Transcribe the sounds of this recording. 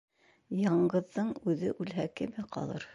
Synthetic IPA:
jɑɴɢɤ̆ðːɤɴʉðɘʔʉlɦækɘmɘqɑ̰lˠɤ̰ɾ

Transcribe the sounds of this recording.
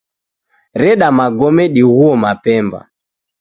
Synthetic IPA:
ɾɛɗamaɡɔmɛɗiɣuɔmapɛmba̰

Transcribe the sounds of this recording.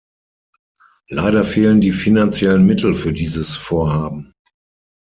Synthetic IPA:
laɪɾɐfeːləndiːfinant͡sjɛlənmɪtʰl̩fyːɐdiːzəsfoːɐhaːbm̩

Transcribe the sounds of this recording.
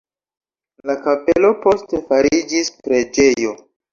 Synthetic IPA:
lakapelo̞po̞ste̞faɾid͡ʒispɾe̞d͡ʒe̞jo̞

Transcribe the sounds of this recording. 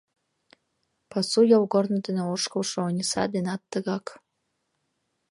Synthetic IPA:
pɑsujolɡornɤd̪əneoʃkɤlʃoonʲisɑ̰d̪enɑt̪ːəɣɑk

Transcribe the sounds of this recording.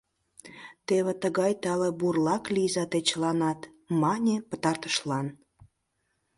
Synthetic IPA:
t̪eβĕt̪əɣɑjt̪ɑleburlɑklizɑt̪et͡ɕəlɑnɑt̪ | mɑnʲepət̪ɑrt̪ə̥ʃlɑn

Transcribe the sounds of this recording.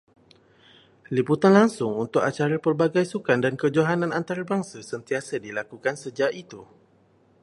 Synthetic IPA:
liput̪anlaŋsʊŋunt̪ʊkat͡ʃaɾapərbaɡajsukandankəd͡ʒoɦanãnant̪aɾabaŋsasənt̪iasadilakukansəd͡ʒaʔit̪u

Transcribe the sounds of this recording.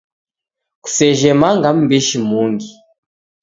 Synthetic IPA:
ku̥sɛʒɛmaŋɡam̩biʃimuŋɡi

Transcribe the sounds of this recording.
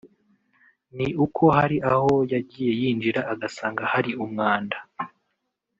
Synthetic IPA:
niukʰo̞ɦaɾiʔaho̞jaɟiːje̞jiːnd͡ʒiɾaːɡasaːŋɡahaɾiumŋaːnda

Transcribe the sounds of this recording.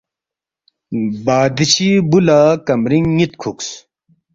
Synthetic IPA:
baːd̪iɕibulaːkɐmɾiŋːit̪kʰuks

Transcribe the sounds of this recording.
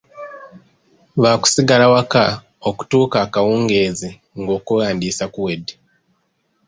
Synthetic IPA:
βaːku̥siɡalawaka | oku̥tuːkakawuːŋɡe̞ːzi | ŋɡoːkuɣaːndiːsakuwedi

